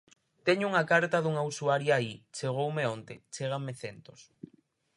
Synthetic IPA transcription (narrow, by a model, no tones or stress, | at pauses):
t̪eɲouŋakaɾt̪aðuŋausuaɾjʊait͡ʃeɣ̞owmeont̪et͡ʃeɣ̞ameθent̪os